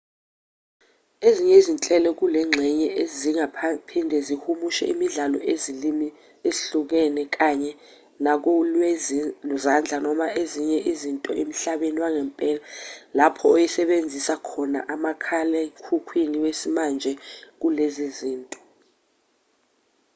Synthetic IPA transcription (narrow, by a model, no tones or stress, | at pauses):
eziɲɛizint͡ɬʼɛlɔk̬ulɛŋ͡ǁʱɛɲɛʔeziŋapʰindʱɛzihumuʃɛ̰imiɮalɔ̰eziimi | eɬuk̬ɛnɛk̬aɲɛ | nak̬ɔlwluzand͡ɮʱanɔmaʔeziɲɛʔizintʼɔ̰ʔem̩ɬaɓeniwaŋɛmpʼɛːlalapʰɔojisɛɓend͡zʱisakʰɔna̰ʔamakʰalɛkʰukʰwiniwesimand͡ʒʱɛk̬uleziziːntʼɔ̥